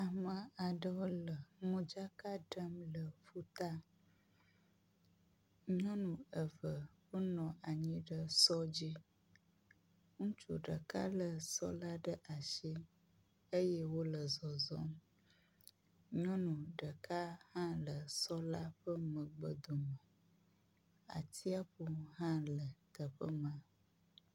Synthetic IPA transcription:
a˨mə̃˨a˨ɖə˦wo˦lə˨mũ˦d͡ʒa˦ka˦ɖə˦mlə˨fu˦t̪a˦ | ɲɔ̃˦nũ˨ə˨və˨ɸə˦nɔ̃˨ʔa˨ɲĩ˦ɖə˦sɔ˦d͡ʑi˦ | ŋũ˦t͡ʃṵ˨ɖə˨ka˦lə˨sɔ̰˦la˦ɖə˦ʔa˨ʃi˦ | e˦jɛ˦wo˦lə˨zɔ˨zɔ˦m | ɲɔ̃˦nũ˨ɖə˨ka˦hã˦lə˨sɔ˦la˦ɸə˦mə̃˨ɡ͡bə˨d̪o˨mə˨ | a̰˨t̪ʰi˦a˦ɸu˦ɦã˦lə˨t̪ə˨ɸə˦mã˨

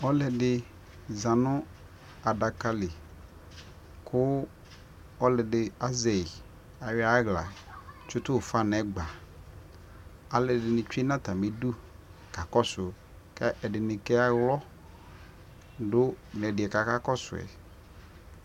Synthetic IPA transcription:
ɔ˦lɛ˨dɪ˨ | zã˨nʊ̃˦ | a˨da˨ka˦lɪ˨ | kʰʊ˦ | ɔ˦lɛ˨dɪ˨a˦zɛ˨ɪ˨ | a˨wɪ˦a˦ɣla̰˨t͡ʃʊ˦tʊ˦˨fa˦nɛ˨˦ɡ͡ba˨ | a˨lɛ˨dɪ˨nɪ̃˨t͡ʃᶣe˦nã˦ta˨me˨du˦ | ka˨kɔ˦sʊ˨ | kɛ˦ʔɛ˨dɪ˨nɪ̃˨kɛ˦a˨wlɔ˦ | dʊ˦nɛ˨dɪ˨ɛ˨ka˨ka˦kɔ˦sʊ̰˨ɛ̰˨

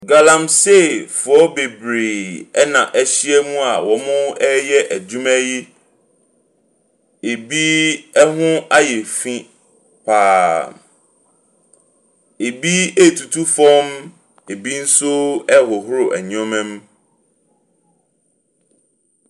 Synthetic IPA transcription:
ɡa˨lã˨mse˦˨fʊ˨ɔ˦be˨bɾe˨ɛ˦nã˨ʔæ˦ɕi˦ɛ˦mũ˦a˨wɔ˨mʊ̃˦ɛ˦jɛ˦ʔæ˨d͡ʑũ˦mæ̃˦ji˦ | e˨bi˦ɛ˦ɦʊ̃˦a˦jɛ˨fĩ˦ | pʰaː˨ | e˨bi˦e˦˨tʰu˨tʰu˦fɔ̃˦m | e˨bi˦n̩˦sʊ˦ɛ˦˨hɔ˨ɦʊ˦ɾʊ˨ʔæ˨ɲɔ̃˦mɛ̃˦m

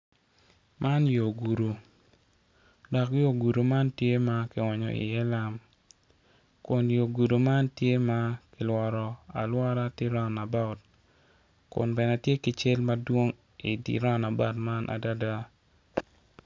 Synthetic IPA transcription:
mʔa˦njo˨ɡu˨ɾo˨ | dɔ˨kjo˦˨ɡu˨ɾo˨ma˦ntje˦ma˨kɪ˨ɔ˨ɲɔ̰˨ḭ˨jɛ˦la˦m | kʊ˨njo˨ɡu˨do˨ma˦ntje˦ma˦kɪ˨lwɔ˨ɾɔ˨a̰˨lwɔ˦ɾa˦tɪ˦ɾa˦˨na˨ba˦ʊ˨t | kʊ̰˨nbɛ˨na˨tje˦kɪ˨t͡ʃɪ˦lma˦dwo˦ŋ | i˨dḭ˨ɾa˦˨na˨ba˦˨tma˦nʔa̰˨da˦da˦

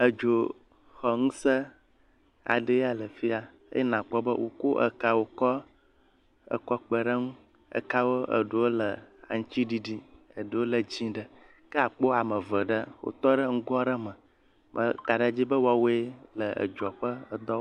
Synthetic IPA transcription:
ə˨d͡ʒo˨ | xɔ˨ŋũ˦sə˦ | a̰˨ɖə˦ja˨lə˨fi˦a˨ | ḛ˦jnã˨k͡pɔ˦bə˦wo̰˨ko˦ʔə̰˨ka˨wo˨kɔ˦ | ə̰˨kɔ˦k͡pə˨ɖə˦ŋũ˦ | ə̰˨ka˦wo˦ə̰˨ɖo˨wo˦lə˨a̰˨ŋ̩̃˦t͡ʃi˦ɖi˨ɖi˦ə˨ɖo˨wo˦lə˨d͡ʑĩ˦ɖə˨ | kə˦a˨k͡po˦a˨mə̃˨və˨ɖə˦wo̰˦t̪ɔ˦ɖə˦ŋ̩˦ɡɔ˦ɖə˦mə̃˨ | mə̰˦ka˨ɖa˨d͡ʑi˦bə˦wo˦a˨wo˦e˦lə˨ʔə̰˨d͡ʒɔ˨ɸə˦ə˨d̪ɔ˦

